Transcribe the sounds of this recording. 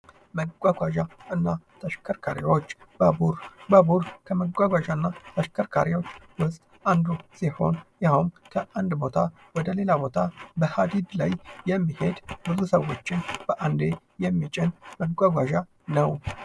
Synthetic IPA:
məɡʷaɡʷaʒaɨnːat̪ʰəʃkʰəɾkʰaɾḭwo̞t͡ʃːbəbuɾbəbuɾkʰəməɡʷaɡʷaʒaɨnːat̪ʰəʃkʰəɾkʰa̰ɾiwot͡ʃːwʊsʼt̪ʼand̪usiho̞̰njahumkʰəʔand̪bo̞t̪ʰa | wɔd̪əle̞labo̞t̪ʰabəhad̪id̪lajːɛmːihe̞d̪bɨzusəwːo̞t͡ʃːɪnb̥əʔand̪e | jɛmːit͡ʃʼɪnməɡʷaɡʷaʒa | nəw

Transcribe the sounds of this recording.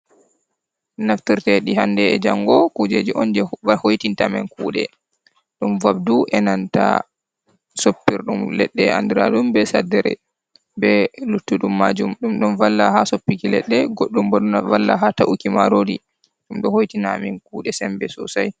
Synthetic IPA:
naftiɾtɛɗihandɛɛd͡ʒaŋɡɔkud͡ʒed͡ʒiʔɔnd͡ʒɛahojtintamɛnkuːɗɛ̰ | ɗumvab̚duʔɛnanta̰ | sopːiɾɗumlɛɗːɛa̰ndiɾa̰ɗumbɛsadɛɾɛ̰ | bɛlutːuɗumːad͡ʒumɗumɗɔnvalːaɦasopːikilɛ̰ɗːɛɡoɗːumbaɗunavalːa̰ɦataʔukima̰ɾodi | ɗumɗɔhojtinamɛnkuːɗɛsɛmbɛsɔsaj

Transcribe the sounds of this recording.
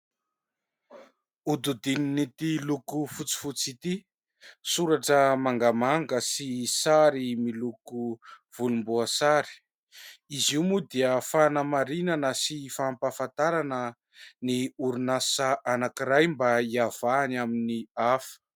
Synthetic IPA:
ud̪ud̪ininit̪ilukufut͡si̥fut͡sit̪i | suɾaʈ͡ʂəmaŋɡamaŋɡəsisaɾimiluku | v̥ulumbuasaɾi̥ | iziwmud̪iəfanəmaɾinanəsifampafant̪aɾanə | niuɾunasaʔanakiɾajmbaiav̥anaminiafə̥

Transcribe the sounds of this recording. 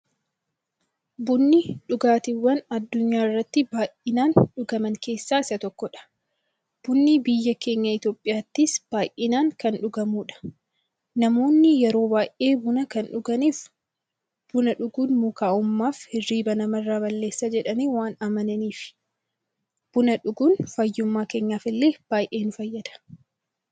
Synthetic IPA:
bʊnːɪᶑʊɡaːt̪ɪwːɐnɐd̪ːʊɲːaːɪrːɐt̪ːɪbaːjʔɪnaːnᶑʊɡɐmɐŋke̞ːsːaːɪsɐt̪ɔkːɔᶑɐ̥ | b̥ʊnːibɪjːɐke̞ːɲːɐɪt̪o̞ːpʼːɪjaːt̪ːɪsb̥aːʔɪnaːŋkɐnᶑʊɡɐmuːᶑɐ̥ | nɐmo̞ːnːɪjɛɾo̞ːbaːjʔe̞ːbʊnɐkɐnᶑʊɡɐniːf | b̥ʊnɐᶑʊɡuːnmuːkaːʔʊmːaːfhɪrːiːbɐnɐmɐrːaːbɐlːe̞ːsːad͡ʒɛᶑɐniːwaːnɐmɐnɐniːfɪ̥ | b̥ʊnɐᶑʊɡuːnfɐjːʊmːaːke̞ːɲːaːfɪlːe̞ːb̥aːjʔe̞ːnʊfɐjːɐd̪̥ɐ̥

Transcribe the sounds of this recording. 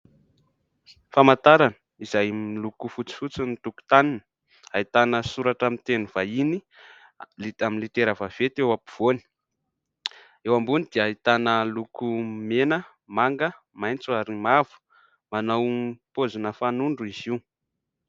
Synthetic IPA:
famat̪aɾanə̥ | izajmilukufut͡si̥fut͡sinit̪uku̥t̪anin | ait̪anəsuɾaʈ͡ʂamint̪eniv̥aini | lit̪aminlit̪eɾavav̥et̪ewapiv̥oni̥ | ewambunid̪̥eait̪anəlukumenə | maŋɡə | majnt͡saɾimavu̥ | manawpozunəfanuɳɖ͡ʐuiziw

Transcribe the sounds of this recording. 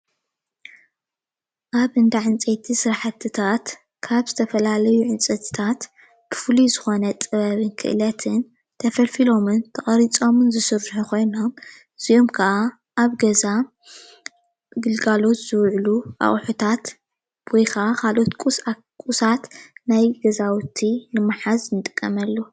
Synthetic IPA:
ʔaβɨnd̪aʕɨnt͡sʼet̪ʰisɨɾaħat̪ʰːɨt̪ʰat̪ | kʰaβzɨt̪ʰɐfɐlalɐjuʕɨnt͡sʼɐt̪ʰɨ̥t̪ʰat̪ | b̥ɨfɨlizɨxo̞nɐt̪ʼɨβɐβɨnkʰɨ̰ʔlɐt̪ʰɨn | t̪ʰɐfɐlfilo̞mɨnt̪ʰɐχʼɐɾit͡sʼo̞mɨnzɨsɨɾħukʰo̞jno̞m | ɨzio̞mkʰɐʔa | ʔaβɡɐza | ɡɨlɡalo̞t̪z̥ɨwʕluʔa̰χʼħut̪ʰat̪ | wɔjkʰaʔakʰalʔo̞t̪kʷʼusa | kʼusat̪najɡɐzawt̪ʰinɨmaħaznɨt̪ʼɨkʼːɐmɐlːo

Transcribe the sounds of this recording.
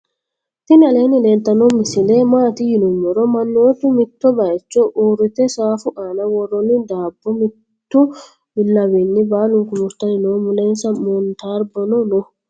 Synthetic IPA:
t̪ɪnɐle̞ːnɪleːnt̪ːɐnɔmɪsɪleːmaːt̪ɪjɪnʊmːɔɾɔmɐnːoːt̪ːʊmɪt̪ːɔbɐjt͡ʃːɔʔuːrːɪt̪ɛsaːfʊʔaːnɐwɔrːɔnːɪd̪aːbːɔmɪt̪ːʊ | bɪlːɐwiːnːɪbaːlʊŋkʊmʊɾt̪ɐnɪnoːmʊleːnsɐmɔnt̪aːɾbɐnɔnɔ

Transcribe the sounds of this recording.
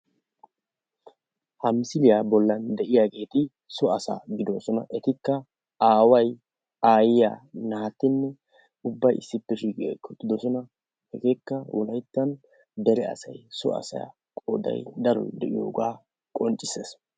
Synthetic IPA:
hɐmsɪlɪjaːbɔlːɐnd̪ɛʔɪjaːɡe̞ːt̪ɪ | sɔɐsa̰ːɡɪd̪osɔnɐ̰ʔɛt̪ɪkːɐ | aːwɐj | aːjɪja̰ːnɐhɐt̪ːɪnːɛ | ʊbːɐjɪ̰sːɪpːɛʃiːkʼḛːkːɔt̪ːɪd̪ɔsɔnɐ | hɛɡe̞ːkːɐwʔɔ̰lɐjt̪ːɐn | d̪ɛɾɛɐ̰sɐ̰jsɔ̰ɐ̰sɐ̰ja̰ | kʼo̰ːd̪ɐ̰jd̪ɐɾɔ̰jd̪ɛʔɪjo̰ːɡaː | kʼɔnt͡ʃʼːɪseːs

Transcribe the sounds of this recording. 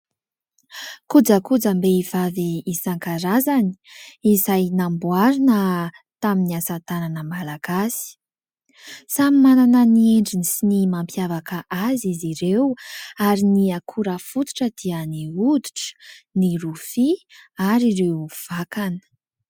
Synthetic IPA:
kud͡zəkud͡zəmbeivaviːsaŋkaɾazani̥izajnambuaɾinə | t̪aminiasat̪ananəmalaɡ̥asi̥ | samimananənieɳɖ͡ʐinisinimampjavakəʔaziziɾewaɾiniakʰuɾəfut̪u̥ʈ͡ʂəd̪̥iəniud̪u̥ʈ͡ʂniɾufiaɾiɾewv̥akanə̥

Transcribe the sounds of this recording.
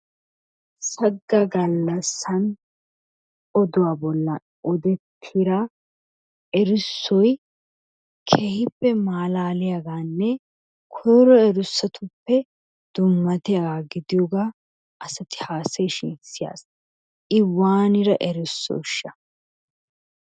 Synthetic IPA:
sɐɡːɐɡɐlːɐsːɐn | ɔd̪ʊwaːbɔlːɐ | ʔɔd̪ɛt̪ʰːɪɾa | ɛɾʊsːɔj | kʰeːhɪpːɛmaːlaːlɪjaɡaːnːɛ | kʰɔɾɔɛɾʊsːɐt̪ʰʊpːɛ | d̪̥ʊmːɐt̪ɪjaɡaːɡɪd̪ɪjoɡaː | ʔɐsɐt̪ɪ̥haːsɛjʃɪnsɪja̰ːs | ʔɪwːaːnɪɾɐʔɛɾʊsːɔ̰ʃːɐ

